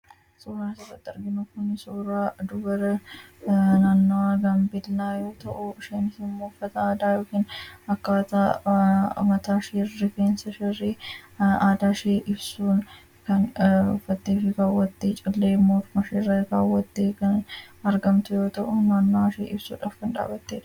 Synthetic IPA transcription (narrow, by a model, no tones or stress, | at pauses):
suːɾaːsɐfɐt̪ːɐɾɡɪnʊkʊnɪsuːɾaːd̪ʊbɐɾɐ | naːnːoaɡɐmbɪlːaːjo̞ːt̪ɐʔʊʃeːnɪsɪmːoːʊfːɐt̪ɐaːd̪aːjo̞ːkiːnɐkːaːt̪a | mɐt̪aːʃeːrːɪkeːnsɐʃɛreːaːd̪aːʃeːʔɪbsuːn | kɐnʊfːɐt̪ːeːfɪɡaːwːɐt̪ːeːt͡ʃʼɪlːeːmːoːmɐʃeːrɐkaːwːɐt̪ːeːkɐnɐɾɡɐmt̪ʊjo̞ːt̪ɐʔʊnaːnːoaʃḛːʔɪbsṵːᶑa̰ːfkɐnᶑa̰ːbɐt̪ːeːᶑ